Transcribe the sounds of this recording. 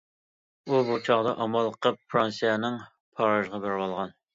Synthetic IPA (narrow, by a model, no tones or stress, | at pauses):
ubut͡ʃʰɑʁd̪ɑʔɑmɑlˠqʰəppʰɾɑnsijɛnɪŋ | pʰɑɾɑʒʁɑbɪɾbɑlˠʁɑn